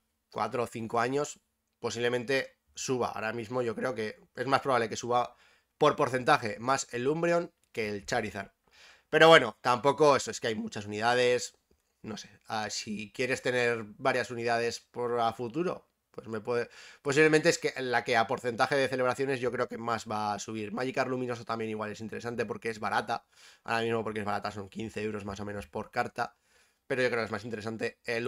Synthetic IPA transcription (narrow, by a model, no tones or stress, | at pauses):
kwa̰t̪ɾo̞θiŋko̞aɲo̞s | po̞siβle̞mẽ̞nt̪e̞ | suβa̰a̰ɾamizmo̞ʝo̞kɾe̞o̞ke̞ | e̞zmaspɾoaβle̞ke̞suβa | po̞ɾpo̞ɾθe̞nt̪axe̞mase̞lumbɾeo̞ŋ | ke̞ːlt͡ʃaɾiθa̰ɾ | pe̞ɾo̞βwe̞no̞t̪ampo̞ko̞e̞so̞e̞skeajmut͡ʃas̬unið̞að̞e̞s | no̞se̞ | asikje̞ɾe̞st̪e̞ne̞ɾbaɾjasuniðað̞e̞spoɾafut̪uɾo̞̰ | pwe̞sme̞pweðepoiβle̞ment̪eeskeʔlake̞apo̞ɾθe̞nt̪axe̞ð̞e̞θele̞β̞ɾaθjo̞ne̞zʝo̞kɾeo̞ke̞mazβaːsuβ̞iɾmaʝikaɾlumĩno̞sot̪ambje̞niɣwale̞sint̪e̞ɾe̞sant̪e̞p̬o̞ɾke̞ezβaɾʔat̪a | a̰ɾamizmo̞po̞ɾkeeβaɾat̪aso̞ŋkin̟θe̞ewɾo̞zmas̬o̞meno̞spo̞ɾkaɾt̪a | pe̞ɾo̞ʝo̞kɾemasint̪eɾe̞sant̪e̞e